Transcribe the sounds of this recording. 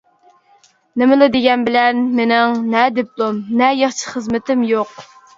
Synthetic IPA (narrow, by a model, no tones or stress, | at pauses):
nɪmɪlɪd̪ɪɡʲɛnbɪlɛnmenɪŋnɛd̪eplˠumnɛjɑχt͡ʃʰi̥χəzmɪt̪ʰɪmjoq